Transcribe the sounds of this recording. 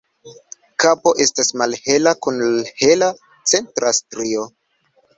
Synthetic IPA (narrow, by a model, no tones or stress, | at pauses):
kapo̞ʔe̞stasmalhe̞lakunlahe̞la | t͡se̞ntɾʔastɾio̞